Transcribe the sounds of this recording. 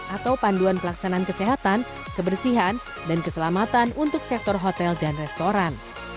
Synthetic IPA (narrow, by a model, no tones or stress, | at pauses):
ʔat̪awpanduanpəlaksanankəseɦat̪an | kəbərsiɦan | dankəsəlamat̪anunt̪ʊk̚sɛk̚t̪ɔrɦɔt̪ɛldanrɛst̪oɾan